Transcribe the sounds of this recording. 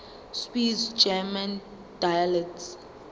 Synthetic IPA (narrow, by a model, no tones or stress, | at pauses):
spizd͡ʒɛmãn | d̥ajalɛkts